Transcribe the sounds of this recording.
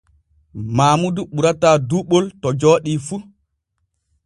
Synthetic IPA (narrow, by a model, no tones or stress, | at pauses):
maːmuduɓuɾataːduɓoltɔd͡ʒɔːɗifu